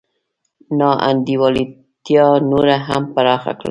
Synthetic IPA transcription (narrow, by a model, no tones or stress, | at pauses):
nɑʔa̰nd̪iwɑli | t̪jɑnoɾaɦampaɾɑxa̰kɽə̰l